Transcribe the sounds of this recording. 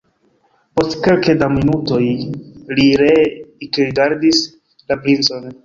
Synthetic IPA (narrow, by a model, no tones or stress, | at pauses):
po̞stke̞lkedaminuto̞jliɾeikɾiɡaɾdis | lapɾint͡so̞n